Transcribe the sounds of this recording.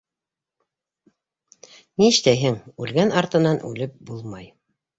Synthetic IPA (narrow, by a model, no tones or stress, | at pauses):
niʃt̪æjɦɘŋʉlɡænɑɾt̪ɤ̆nɑnʔʉ̰lɘp̚bulˠmɑj